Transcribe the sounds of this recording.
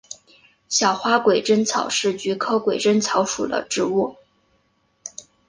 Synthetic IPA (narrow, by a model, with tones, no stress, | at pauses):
ɕjɑ˨˩ʊxwa˥kwe˨˩ɪʈ͡ʂə˥nt͡sʰɑ˨˩ʊʂɻ̩˥˩t͡ɕy˧˥kʰɤ˥kwe˨˩ɪʈ͡ʂə˥nt͡sʰɑ˧˥ʊʂṵ˨˩d̪ə̰˦ʈ͡ʂɻ̩˥˧u˥˩